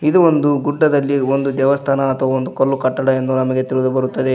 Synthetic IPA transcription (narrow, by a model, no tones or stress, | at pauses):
id̪uond̪uɡuɖːɐd̪ɐlːiond̪ud̪jɛʋɐst̪ʰaːnɐːt̪ʰɐʋɐond̪ukɐɾlukɐʈːɐɽɐe̞nd̪unɐmɐɡe̞t̪iɭud̪ubɐɾut̪ːɐd̪e